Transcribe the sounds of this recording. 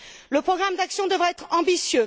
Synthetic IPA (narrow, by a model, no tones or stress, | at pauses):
ləpχɔɡʁamd̪aksjɔ̃d̪əvʁaɛt̪χɑ̃bisjø